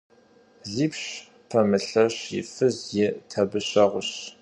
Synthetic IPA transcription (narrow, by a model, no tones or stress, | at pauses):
ɮiːpɕ | pʰɐmɨɬɐɕjɪ̰fɨzjɛtʰɐbɨɕɐʁʷʊɕ